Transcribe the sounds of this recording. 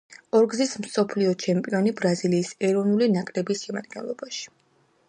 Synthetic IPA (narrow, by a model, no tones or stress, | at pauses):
ɔɾɡzism̩sɔpʰliɔt͡ʃʰɛmpʼiɔnibɾaziliːsɛɾɔvnulinakʼɾɛbisʃɛma̰d̪̚ɡɛ̰nlˠɔbaʃi̥